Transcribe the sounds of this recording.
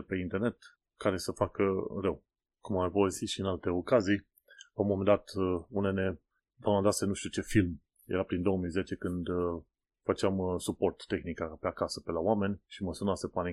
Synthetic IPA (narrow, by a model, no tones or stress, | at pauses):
pe̞int̪erne̞t̪ | kaɾe̞səfakərəw | kumapovesiʃiɨnalt̪e̞o̞kazij | lawmomend̪at̪unene | d̪anad̪asenuʃt̪iut͡ʃe̞film | jeɾapɾind̪o̞omijze̞t͡ʃe̞kɨnd̪ | fət͡ʃeamsupo̞rt̪ːe̞xnikapeakasəpe̞laoame̞nʲʃiməsunasepani